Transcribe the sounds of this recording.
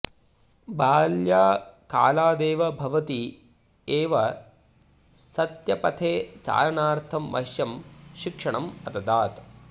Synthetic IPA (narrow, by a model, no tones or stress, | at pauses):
bʱaːljaːka̰ːlaːd̪eːʋɐbʱɐʋɐt̪i | eːʋɐ | sɐt̪jɐpɐt̪ʰeːt͡ʃa̰ːɾɐɳaːɾt̪ʰɐmːɐ̰ʃjɐmʃikʂɐɳɐmɐt̪ɐd̪aːt̪